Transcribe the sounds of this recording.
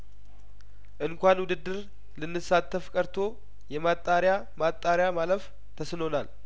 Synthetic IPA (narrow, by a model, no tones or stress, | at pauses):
ʔɨnkʷanwʊd̪ɨd̪ːɨɾ | lɨnːɨsat̪ʰːəfkʼəɾt̪ʰo̞ | jɛmat̪ʼːaɾja | mat̪ʼːaɾjamaləf | t̪ʰəsɨno̞nal